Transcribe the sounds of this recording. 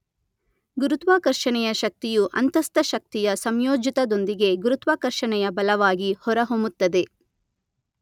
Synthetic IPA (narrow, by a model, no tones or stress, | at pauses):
ɡuɾut̪ʋaːkɐɾʃɐɳɛjɐʃɐk̚t̪ijuʔɐ̰nt̪ɐst̪ɐʃɐk̚t̪ijɐsɐmjoːd͡ʒit̪ɐd̪o̞nd̪iɡe̞ɡuɾut̪ʋaːkɐɾʃɐɳɛjɐbɐlɐʋaːɡihɔɾɐɦomut̪ːɐd̪e̞